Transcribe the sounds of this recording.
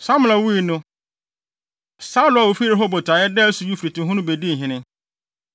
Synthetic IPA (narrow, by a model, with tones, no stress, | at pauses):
sã˦m˨la˨wu˦i˨nʊ̃˦ | sa˦lʊ˨˦a˨wo˨fi˦ɾe˨˦ɦɔ˦bɔ˨tʰa˨˦jɛ˦dɛ˦su˨ju˦fɾi˨tɪ̃˨ɦʊ̃˦nʊ̃˦be˨di˦˨ɦɪ̃˨nɪ̃˦